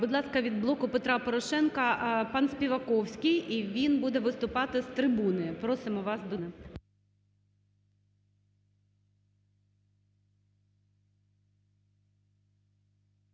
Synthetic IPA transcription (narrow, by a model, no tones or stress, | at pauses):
bʊd̪lˠɑskɐʋʲid̪̚blˠɔkʊpet̪ɾɑpɔɾɔʃɛnkɐpɑnsʲpʲiʋɐkɔwsʲkɪjiʋʲinbud̪ɛʋɪst̪ʊpɑt̪ɪst̪ɾɪbunɪpɾɔsɪmɔʋɑsd̪ɔnɪ